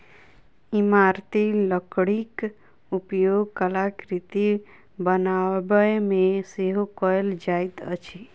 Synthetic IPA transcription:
imaɾt̪iləkɽik | upjoɡ̚kəlakɾit̪i | bənabəjmẽseɦokɔjld͡ʒajt̪ə̰t͡ʃʰi

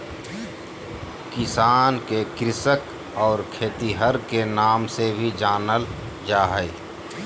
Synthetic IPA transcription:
kɪsaːnkekɾɪsək | ɔːɾkʰeːt̪iɦəɾkenaːmsebʱid͡ʒaːnəl | d͡ʒaːɦəj

